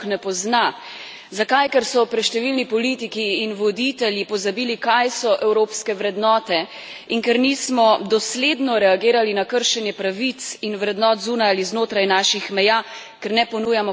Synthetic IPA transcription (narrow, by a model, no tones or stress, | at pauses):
nɛpɔzna | zakajkɛɾsɔpɾɛt̪ʃt̪ɛʋilnipɔlit̪ikiːnʋɔd̪it̪ɛljipɔzabiːlikajsɔʔɛwɾoːpskɛʋɾɛd̪nɔːt̪ɛ | iŋkɛɾniːsmɔd̪ɔsleːd̪nɔɾɛaɡeːɾalinakəɾʃɛnjɛpɾaʋisinʋɾɛd̪nɔːt̪zuːnajaliznoːt̪ɾajnaːʃixmɛjaː | kɛɾnɛpɔnuːjamɔ